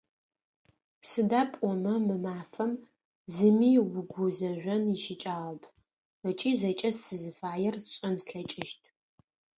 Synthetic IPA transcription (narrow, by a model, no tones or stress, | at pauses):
sɨdaːpʼɔmɐmɨmaːfɐm | zɨmiːwʊɡʷʊzɐʒʷɔnɪʃɪt͡ʃʼaːʁɐpʰ | ɐt͡ʃʼiːzɐt͡ʃʼɐssɨzɨfaːjɛrɕʼɐnsɬɐt͡ʃʼɪʃtʰʼ